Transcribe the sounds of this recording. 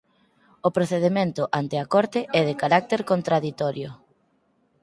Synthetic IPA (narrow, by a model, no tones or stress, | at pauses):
opɾoθeð̞emẽnt̪ʊʔant̪eakɔɾt̪eʔɛð̞ekaɾak̚t̪eɾkont̪ɾaðit̪ɔɾjʊ